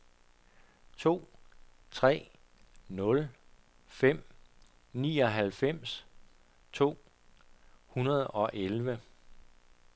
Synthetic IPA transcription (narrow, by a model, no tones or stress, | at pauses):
t͡sʰo̝̰ː | t͡sʰʁɛ̰ː | nɔ̽l | fem̰ | nḭːɒ̽ɦælfem̰s | t͡sʰo̝̰ː | hunɐð̞ˠɒ̽ʔelʋə